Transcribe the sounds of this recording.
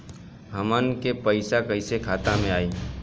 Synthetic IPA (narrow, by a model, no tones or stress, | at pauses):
ɦɐmənkepəɪsakəɪsekʰaːt̪amẽaːiː